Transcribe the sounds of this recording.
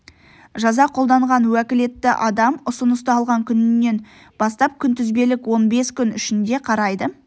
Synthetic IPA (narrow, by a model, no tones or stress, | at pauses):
ʒɑzɑqʰo̞lˠd̪ɑɴʁɑnwækʲɪle̞t̪ːɪʔɑd̪ɑmʊsənəst̪əɑlˠʁɑŋkʲʰʏnɪnːe̞n | bɑst̪ɑp̚kʲʰʏnt̪ʏzbe̞lɪkwo̞nbe̞skʲʏnʏʃɪnd̪e̞qʰɑɾɑjd̪ə